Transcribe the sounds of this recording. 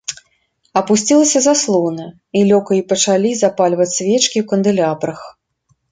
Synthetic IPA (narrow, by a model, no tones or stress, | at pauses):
ɐpusʲt͡sʲilˠɐsʲɐzaslˠɔwnɐ | ilʲɔkɐipɐt͡ʂalʲizapalʲvɐt͡sʲsʲvʲɛt͡ʂkʲiwkɐnd̪ɨlʲapɾɐx